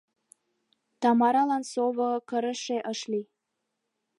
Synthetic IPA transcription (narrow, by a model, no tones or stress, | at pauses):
t̪ɑmɑɾɑlɑnsoβəkəɾə̆ʃeʔəʃli